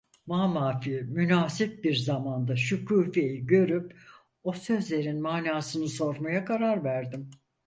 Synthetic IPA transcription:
maːmaːfimynaːsip̚biɾzamand̪aʃucʰuːfe̞jiɟø̞ɾyp̚ | o̞sø̞zlʲe̞ɾinmaːnaːsɯnɯso̞ɾmajakʰaɾaɾvæɾd̪im

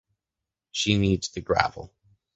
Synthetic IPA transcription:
ʃinidz̥tʰɨɡɹæ̰vl̩ˠ

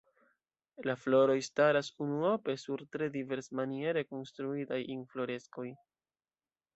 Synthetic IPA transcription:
laflo̞ɾo̞jstaɾasunuo̞pe̞suɾtɾe̞dive̞ɾsmanie̞ɾe̞ko̞nstɾuitajinflo̞ɾe̞sko̞j

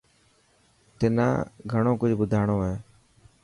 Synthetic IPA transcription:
t̪ɪnã̰ːɡʱəɳõːkʊd͡ʒʱɓʊd̪ʱaːɳoːɦeː

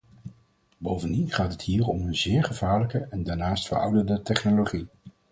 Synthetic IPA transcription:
bowvəndinχaːtɦətɦiːɹɔmənzɪːɹχəvaːɹləkəʔɛndaːɹnaːstfə̰ɹʌ̰wdəndətɛχnoloχi

